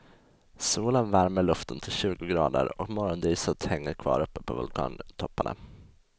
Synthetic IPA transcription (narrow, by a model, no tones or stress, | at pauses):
suːlənvæɾməɭɵft̪ənt̪ʰɪlɕʉ̟ːɡʊɡɾɑːd̪ə̰ɾɔkmɔɾɔnd̪yːsət̪hɛŋːəɾkʰvɑ̰ːɾɵpːəpʰɔvɵ̰lkʰɑ̰ːnt̪ʰɔpːaɳə̰